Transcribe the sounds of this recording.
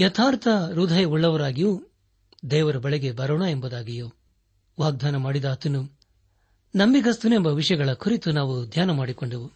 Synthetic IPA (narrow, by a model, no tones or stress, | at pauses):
jɐt̪ʰaːɾt̪ʰɐɾud̪ʱɐjɐuɭːɐʋɐɾaːɡijo | d̪ɛːʋɐɾɐbɐɭɛɡe̞bɐɾoːɳɐe̞mbɐd̪aːɡijoː | ʋaːɡ̚d̪ʱaːnɐmaːɽid̪ɐːt̪ɐnu | nɐmbiɡɐst̪une̞mbɐʋiʂɐjɐɡɐɭɐkuɾit̪unaːʋud̪ʱjaːnɐmaːɽikoɳɖɐʋu